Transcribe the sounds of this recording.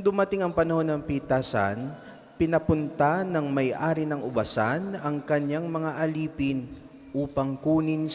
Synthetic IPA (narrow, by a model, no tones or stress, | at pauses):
d̪ʊmɐt̪ɪŋɐŋpɐnɐho̞nːɐŋpit̪aːsɐ̰n | pɪnɐpʊnt̪anɐŋmɐjʔaːɾɪnɐŋʔʊbɐsanɐŋkɐɲaŋmɐŋaʔɐliːpɪn | ʔuːpɐŋkuːnɪn